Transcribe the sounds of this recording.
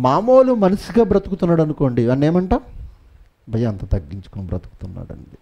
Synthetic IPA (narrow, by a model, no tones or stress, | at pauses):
maːmo̞ːlumɐnɐsiɡaːbɾɐt̪ukut̪unːaːɽɐnuko̞ːɳɖiʋɐnːeːmɐɳʈaː | bʱɐjɐɐnt̪ɐt̪ɐɡːiɲt͡ʃu̥kunubɾɐt̪u̥ku̥t̪unːa̰ːɽɐ̰ɳɖi